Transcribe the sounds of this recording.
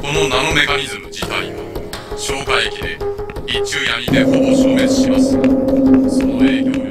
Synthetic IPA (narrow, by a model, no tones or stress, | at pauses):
ko̞no̞nano̞me̞kaɲ̟izɨmɯ̟d͡ʑit̪a̰inoɕo̞ːɡaiekʲid̪e̞it͡ɕɨjaɾʲid̪e̞hod̪oɕoːme̞t͡sɨ̥ɕimasɨ̥ | sonoeːkʲo